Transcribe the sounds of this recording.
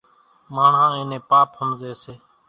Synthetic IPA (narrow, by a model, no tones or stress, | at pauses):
maːɳ̤ãːẽːnẽːpaːphəmzeːseː